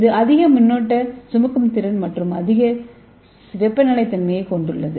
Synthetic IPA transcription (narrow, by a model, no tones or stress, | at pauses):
ðɯɐðɪɣɐmʊnːoːʈːɐsʊmɐkːɯmt̪ɪɾɐnmɐʈrɯmɐðɪɣɐ | ʋɛpːɐnɐlɐɪt̪ːɐnmɐjɐɪkɔɳɖɯɭːɐðɯ